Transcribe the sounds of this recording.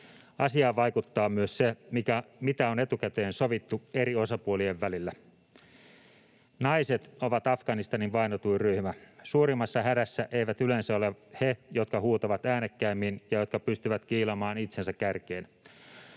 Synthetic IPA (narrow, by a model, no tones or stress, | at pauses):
ɑsiɑːʋɑjkut̪ːɑːmyøssemikæmit̪æo̞ne̞t̪ukæt̪e̞ːnsoʋit̪ːueɾio̞sɑpuolie̞ʋːælilːæ | nɑise̞t̪o̞ʋɑt̪ɑfɡ̥ɑnist̪ɑniʋʋɑjnot̪uiryhmæsuːɾimɑsːɑɦhæɾæsːæʔe̞jʋæt̪ylensæo̞lehejo̞t̪kɑhuːt̪ɑʋɑt̪æːnekːæimːinjɑjo̞t̪̚kɑpyst̪yʋæt̪k̟iːlɑmɑːnit̪se̞nsækːærkeːn